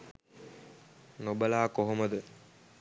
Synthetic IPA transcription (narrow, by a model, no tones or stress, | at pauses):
nobəlaːkoɦoməd̪ə